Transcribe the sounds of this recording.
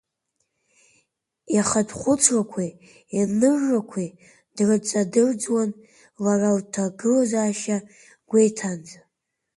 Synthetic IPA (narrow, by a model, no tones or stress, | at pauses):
jaχadʰχʷʊt͡sʰrakʷʰi | anɨrːakʷʰi | d̥rɨt͡sʼadɨrd͡zwan | laraltʰaɡɨlazaːʃa | ɡ̥ʷejtʰand͡z